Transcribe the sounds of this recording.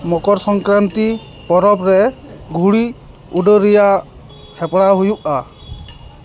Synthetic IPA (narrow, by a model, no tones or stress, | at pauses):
mɔkɔɾsɔŋkɾant̪i | pɔɾɔpɾɛɡʱuɽi | uɖɔɾijaʔ | hɛpɽaɦujuʔa